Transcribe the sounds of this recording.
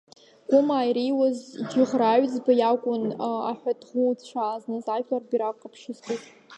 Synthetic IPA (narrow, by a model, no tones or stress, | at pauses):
ɡ̥ʷʼʊmaːjɾijwazd͡ʒɪʁraːɥd͡zbajakʷʼʊna̰ħᶣʷadʁut͡ɕʷʰaːznɨzapʰlarbiɾaqʼapʰʂɨztʼutʼ